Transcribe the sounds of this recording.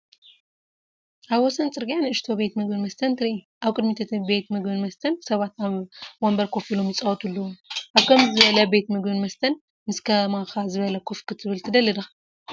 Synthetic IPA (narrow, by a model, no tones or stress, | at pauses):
ʔaβwɔsɐnt͡sʼɨɾɡijanɨɨʃt̪ʰobe̞t̪mɨɡbɨnmɐst̪ʰɐnt̪ʰɨɾiʔi | ʔaβkʼɨd̪mit̪ʰɐt̪ʰɨbe̞t̪mɨɡbɨnmɐst̪ʰɐnsɐβat̪naβwombɐɾkʰo̞filo̞mjit͡sʼɐwɔt̪ʰʼulːɐwoʔaβkʰɐmzɨβɐlɐbe̞t̪mɨɡbɨnmɐst̪ʰɐn | mɨskʰɐmakazɨβɐlɐkʰofkʰɨt̪ʰɨβɨlt̪ʰɨd̪ɐlːɐd̪ɐx